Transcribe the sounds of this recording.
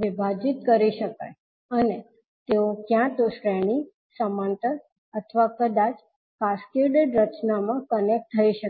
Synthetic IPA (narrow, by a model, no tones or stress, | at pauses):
ʋɪbʱad͡ʒit̪̚kəɾiʃəka̰j | əne | t̪eokjãt̪oʃɾɛɽ̃i | səmãnt̪əɾ | ət̪ʰʋakəd̪at͡ʃ | kaskeɖeɖɾət͡ʃnamãkənek̚ʈ̚t̪ʰːəiʃə